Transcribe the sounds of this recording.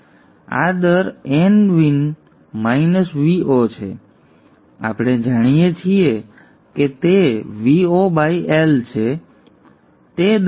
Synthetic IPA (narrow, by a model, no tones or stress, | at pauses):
a̰d̪əɾenʋin | mainəsʋiʔot͡ʃʰḛ | a̰pɽ̃ed͡ʒaɽ̃ijet͡ʃʰie | ket̪eʋiobaiʔelt͡ʃʰe | t̪ed̪